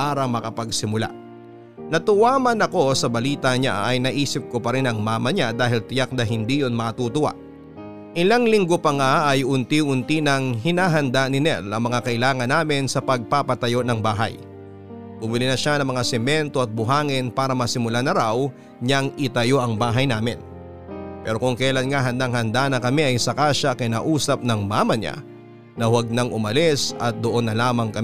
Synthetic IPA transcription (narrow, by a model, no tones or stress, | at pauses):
paːɾɐmɐkɐpɐɡsɪmʊla̰ | nɐt̪ʊwaːmɐnɐko̞sɐbɐliːt̪ɐɲa̰ɐ̰jnɐʔiːsɪp̚kopɐɾɪnɐŋmaːmɐɲad̪aːɦɪlt̪ɪjak̚nɐɦɪnd̪ijonmɐkɐt̪uːt̪ʊwa̰ | ʔɪlaŋlɪŋɡopɐŋaʔɐjʊnt̪iʔʊnt̪inɐŋɦɪnaːɦɐnd̪anɪnɛ̰lɐŋmɐŋakɐʔɪlaːŋɐnːaːmɪnsɐpɐɡ̚papɐt̪ɐjo̞nɐŋbaːɦɐ̰j | bʊbɪlinɐʃanɐŋmɐŋasɛmɛnt̪o̞ʔɐt̪̚bʊɦaːŋɪnpaːɾɐmɐsɪmʊlanɐɾaw | ɲɐŋɪt̪ɐjo̞ʔɐŋbaːɦɐjnaːmɪn | pɛːɾo̞kʊŋkɐlanŋaɦɐnd̪aŋɦɐnd̪anɐkɐmɛʔɐjsɐkaːʃɐkɐjna̰ːʔuːsɐp̚nɐŋmaːmɐɲa̰ | nɐhwɐɡ̚nɐŋʊmɐlɛsɐt̪̚d̪oʔonːɐlaːmɐŋkɐm